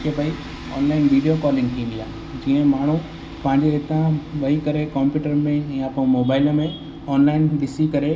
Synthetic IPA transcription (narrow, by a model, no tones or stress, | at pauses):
kʰebʱɐi | ɔ̰ːnlaːɪnʋiːɖijokɔːlɪ̃ŋɡt̪ʰĩːnd̪ija̰ː | d͡ʑiːə̃maːɳ̤u | pɐ̃ɦɪ̃ɲd͡ʑeɪt̪ãʋɐikɐɾekɔ̃ːmpjuːʈəɾmẽjãpmoːbaːɪlmẽ | ɔːnlaːɪnbɪsikɐɾe